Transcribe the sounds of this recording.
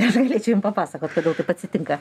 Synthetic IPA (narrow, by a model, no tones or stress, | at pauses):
nʲɛsɡɐlʲeːt͡ʃʲɛʊjɪmpɐpɑːsɐkoːt̪koːd̪ʲeɛlˠt̪ɐɪpɐtʲsʲɪt̪ʲɪŋkɐ